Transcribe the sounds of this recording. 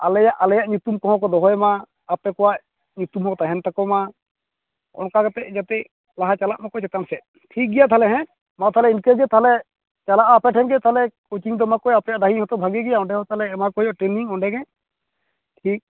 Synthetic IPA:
alɛjaʔalɛjaʔɲut̪umkɔɦɔ̃kɔd̪ɔɦɔjmaː | pɛkɔwaʔ | ɲut̪umɦɔt̪aɦɛnt̪akɔma | ɔ̰nkakɛt̪ɛʔd͡ʒat̪ɛʔ | laɦat͡ʃalaʔmakɔjt͡ʃɛt̪ansɛʔ | ʈʰik̚ɡɛjat̪ʰaɦalɛɦɛ̃ | mat̪ʰaɦalɛinkɛd͡ʒɛt̪aɦlɛ | t͡ʃalaʔaːpɛʈʰɛnɡɛt̪aɦlɛkot͡ʃiŋd̪ɔmakɔjapɛjaʔɖ̪aɦihɔ̃t̪ɔbʱaɡɛɡɛjaɔ̃ɳɖɛɦɔ̃t̪alɛːmakɔjɔʔʈɾɛniŋɔɳɖɛɡɛ | ʈʰik̚

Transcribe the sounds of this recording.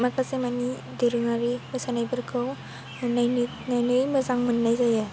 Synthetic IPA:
makasemani | diɾɯŋaɾimɯsanajbɯɾkʰɯw | najni | najnɯjmɯzaŋmɯnːajzaja

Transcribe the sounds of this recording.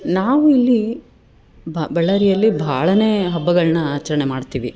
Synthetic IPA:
naːʋuilːi | bbɛɭːɐɾijɐlːibʱaːɭɐne̞ːɦɐbːɐɡɐɭnɐaːt͡ʃːɐɾɐɳemaːɖt̪iːʋi

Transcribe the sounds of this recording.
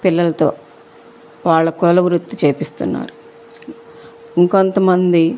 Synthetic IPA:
pilːɐlɐt̪o̞̰ː | ʋaːɭːɐkɔlɐʋɾut̪ːit͡ʃeːpist̪unːa̰ːɾu | iŋkont̪ɐmɐnd̪i

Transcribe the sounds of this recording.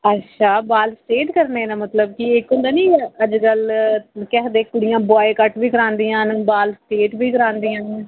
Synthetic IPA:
ətːʃʰaːbaːlsʈeːʈkəɾneːnãːmət̪ləb̚kɪɪkõnd̪aːnĩːəd͡ʒkəlkɛːd̪eːkʊɽɪjãːbɔːekəʈʋiːkəɾãːnd̪iːãːnbaːlsʈeːʈbiːkəɾãːnd̪iːãːn

